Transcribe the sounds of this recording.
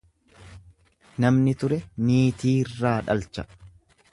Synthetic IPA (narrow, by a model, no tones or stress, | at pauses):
nɐmnɪt̪ʊɾɛniːt̪iːrːaːᶑɐ̰lt͡ʃɐ̥